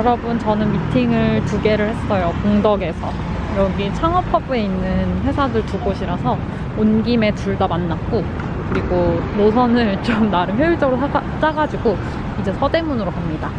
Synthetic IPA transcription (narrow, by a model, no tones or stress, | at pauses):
jjʌɾʌbunt͡ɕʌnɯnmitʰiŋɯɭtuɡe̞ɾɯɭhe̞s͈ʌjokoŋdʌɡesʰʌ | jɾʌɡit͡ɕʰaŋʌpʰʌbue̞inːɯnɸwe̞sʰadɯɭtuɡoɕʰiɾasʰʌ | onɡime̞tuɭdamanːak̚k͈o | kɯɾiɡonosʰʌnɯɭt͡ɕomnaɾɯnçjʌjiɭt͡ɕ͈ʌɡɯɾo | t͡ɕ͈aɡad͡ʑiɡo | id͡ʑe̞sʰʌde̞munɯɾokʰamɲida